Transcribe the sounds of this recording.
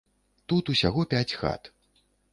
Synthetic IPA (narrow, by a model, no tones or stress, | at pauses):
t̪ut̪usʲaɣɔpʲat͡sʲxa̰t̪